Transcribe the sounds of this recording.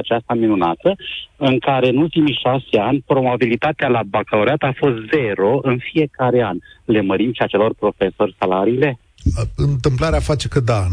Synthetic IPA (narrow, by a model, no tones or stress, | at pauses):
at͡ʃast̪aminunat̪əɨŋkaɾe̞ɨnult̪imijʃase̞anʲpɾo̞babilit̪at̪ealabakaloɾeat̪afo̞st̪ze̞ɾo̞ɨnfije̞kaɾe̞anʲle̞məɾimʃiat͡ʃe̞lo̞rpɾo̞fe̞so̞rʲsalaɾiːle̞ | ɨnt̪ɨmplaɾeafat͡ʃe̞kəd̪a